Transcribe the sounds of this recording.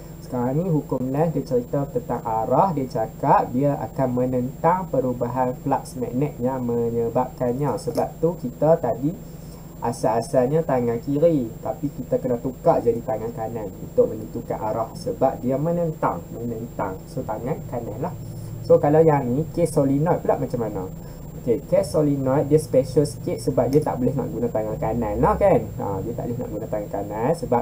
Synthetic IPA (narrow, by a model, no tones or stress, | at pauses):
sə̥kaɾaŋnĩɦukʊmlasdiat͡ʃəɾit̪at̪ənt̪aŋaɾahdiat͡ʃakat̪̚diaʔa̰kanmənənt̪aŋpəɾubaɦanplaʔsmɛ̰ʔnɛʔ̪̚jaŋməɲəbap̚kanɲasəbap̚t̪ukit̪at̪adi | ʔasaːsaɲat̪aŋãnkiɾit̪apikit̪akənaht̪ukaʔd͡ʒadit̪aŋankananṵnt̪ʊk̚mə̃nĩt̪uka̰nʔa̰ɾahsəbap̚diamə̃nənt̪a̰ŋmənənt̪a̰ŋsot̪aŋãnkanãnlahsokalawjaŋnĩkesolinɔt̪̚pula̰ʔmat͡ʃamːana̰ | okekesolinɔt̪̚diaspɛʃəlsket̪̚səbap̚diat̪a̰ʔbolɛhnã̰ʔɡunãt̪aŋãnkanãnlahkana̰diat̪a̰ʔbo̰lɪɦna̰ʔɡunãt̪aŋankanansəbap̚